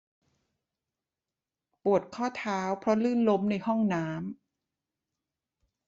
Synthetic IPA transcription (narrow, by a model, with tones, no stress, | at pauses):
pu˨˩ət̪̚kʰɔː˥˩t̪ʰaː˦˥wpʰɾɔ˦˥lɯː˥˩nlo˦˥mna˧jhɔ˥˩ŋnaː˦˥m